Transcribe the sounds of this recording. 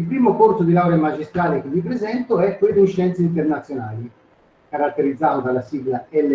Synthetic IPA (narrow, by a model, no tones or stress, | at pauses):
ilpɾiːmokorsod̪ilawɾemad͡ʒist̪ɾaːlek̟evːip̬ɾezɛnt̪oɛpːɾed̪uʃɛnt̪seint̪ernat̪sːjonaːli | kaɾat̪ːeɾid̪zːaːt̪od̪alasiːɡlaɛlːe